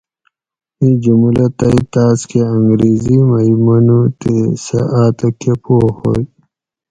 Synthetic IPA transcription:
ĩd͡ʑumulɐt̪ɐit̪aːskeɐŋɡɾiːzimaimɐnut̪esḛʔaːt̪ɐkepoho̰j

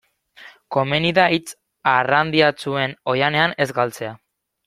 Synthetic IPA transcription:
ko̞meniðait͡s | arand̪iat͡sue̞no̞jane̞ane̞zɡalt͡se̞a

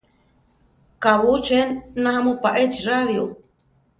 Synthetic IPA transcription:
kaβut͡ʃenːaamupaʔet͡ʃraðjo

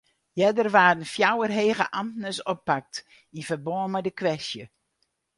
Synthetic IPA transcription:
jɛdərʋaːrənfjawərɦeːɣəʔamtnəsɔpːak̚t | inv̥ərboəmədəkʋɛstjə

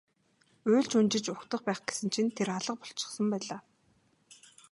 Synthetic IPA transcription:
ʊːɮt͡ɕunt͡ɕɪ̆t͡ɕʊxt̪ə̆χpæːχɡ̥e̥sɘ̆nt͡ɕʰint̪ʰːeɾaɮə̆q̚pɔ̥ɬt͡ɕɪ̥̆χsə̆mpæːɮaː

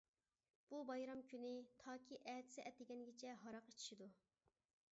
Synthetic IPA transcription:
b̥ubɑjɾɑmkʲʰynɪt̪ʰɑːkʲʰiʔɛd̪ɪ̥sɛʔɛt̪ɪɡʲɛnɡʲet͡ʃʰɛɦɑɾɑqit͡ʃʰi̥ʃid̪u

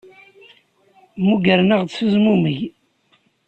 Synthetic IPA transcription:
muɡəɾnəʁd̪səzmumiʝ

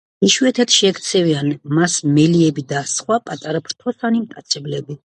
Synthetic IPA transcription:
iʃuɛt̪ʰɛt̪ʰʃɛkt̪sʰɛvianmasmɛliɛbid̪asχwapʼat̪ʼaɾapʰɾt̪ʰɔsanimt̪ʼat̪sʰɛblɛbi

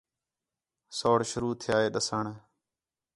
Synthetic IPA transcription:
soːɽʃʊɾuːt̪ʰɪjaːeːɗəsəɳ

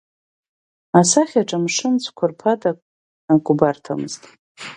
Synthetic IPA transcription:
asaχʲaʈ͡ʂʼamʂɨnt͡sʷʰkʷʰʊrpʰatʼakʼ | akʷʼʊbartʰa̰mɨ̰ztʼ

